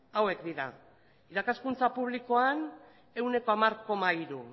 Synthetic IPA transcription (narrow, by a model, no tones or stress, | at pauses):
awe̞kd̪iɾa | iɾakaskunt͡sapuβ̞liko̞an | e̞wne̞ko̞amaɾko̞maiɾu